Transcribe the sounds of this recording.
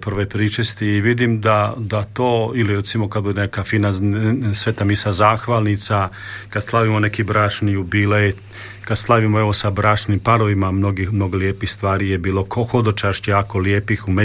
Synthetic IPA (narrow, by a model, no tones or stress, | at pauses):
prʋepɾit͡ʃest̪iiʋid̪imd̪ad̪at̪oːiliɾet̪simo̞kad̪̚bud̪enekafinasʋet̪amisazaːxʋalˠnit̪sakad̪slˠaʋimo̞ne̞kibɾaːt͡ʃnijubilet̪ | kad̪slˠaʋimoe̞ʋo̞sabɾaːt͡ʃnimpaɾoʋimamnoɡixmno̞ɡoljeːpixst̪ʋaːɾijebiːlˠo̞kʰoxod̪ot͡ʃaʃt͡ɕjaːkoljeːpixume